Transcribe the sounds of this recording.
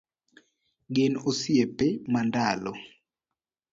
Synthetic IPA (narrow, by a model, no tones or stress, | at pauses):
ɡenosjepemandalɔ